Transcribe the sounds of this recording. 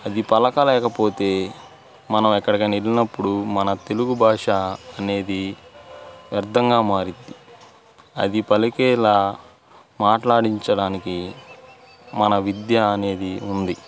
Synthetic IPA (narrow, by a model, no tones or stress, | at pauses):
ɐd̪ipɐlɐkɐlɛːkɐpo̞ːt̪e̞ː | mɐnɐmɛkːɐɽɐkinilːinɐpːuɽumɐnɐt̪e̞luɡubʱaːʂɐːne̞ːd̪i | ɐɾd̪ʱɐŋɡaːmaːɾind̪i | ɐ̰d̪ipɐlikɛːlaː | maːʈlaːɽiɲt͡ʃɐɽaːniki | mɐnɐʋid̪jɐːɐne̞ːd̪iund̪i